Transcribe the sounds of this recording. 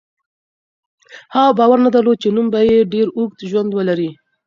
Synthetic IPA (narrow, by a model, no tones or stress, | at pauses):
hɑbɑwaɾnad̪alot͡ʃenumbajeɖeɾuɡt̪ʒwand̪wəlaɾi